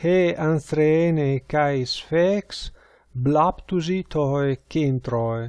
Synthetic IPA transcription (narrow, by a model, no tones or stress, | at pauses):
heansɾeɛnekajsfɛks | blapt̪uzit̪ʰɔjekent̪ɾɔj